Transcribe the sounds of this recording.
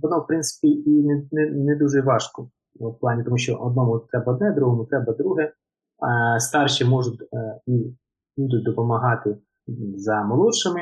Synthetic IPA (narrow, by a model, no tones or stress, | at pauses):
ʋɔnɔwpɾɪnt̪sɪ̥pʲiinɛnɛnɛd̪uʒɛʋɑʃkɔ | plˠɑnʲit̪ɔmuʃʲt͡ʃɔʔɔd̪̚nɔmʊt̪ɾɛbɐɔd̪nɛd̪ɾuɦɔmʊt̪ɾɛbɐd̪ɾuɦɛ | st̪ɑrʃimɔʒʊtʲi | bud̪ʊt̚ʲd̪ɔpɔmɐɦɑt̪ɪ | zɐmɐlˠɔʃɪmɪ